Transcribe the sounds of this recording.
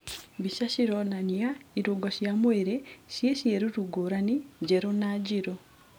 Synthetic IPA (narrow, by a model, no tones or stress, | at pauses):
βiʃaʃiɾonaɲjaiɾuɡoʃjamweɾeʃjeʃjeɾuɾuɡuɾaniɟeɾonaɟiɾo